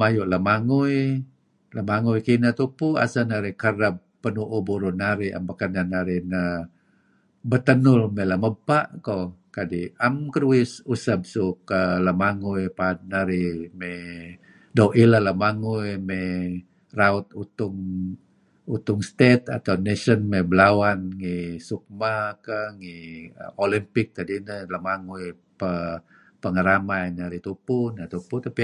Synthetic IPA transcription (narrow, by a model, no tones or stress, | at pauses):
majʊʔlamaŋuj | lamaŋujkinat̪upua̰sanaɾɪkəɾab̚ːənuʔubuɾʊnaɾia̰mbakananaɾinə | bət̪ənʊlmelaməbaʔkokadiamkəɾuɪsusab̚sukəlamaŋujpad̚naɾimɛ | dowʔilalamaŋujmɛ | raut̪̚ut̪ʊŋ | ut̪ʊŋst̪et̪a̰t̪awnesənmebəlawanŋisuk̚makəŋiolimpɪk̚t̪adinələmaŋuj | pə | pəŋəɾamajnaɾit̪upʊnat̪uput̪api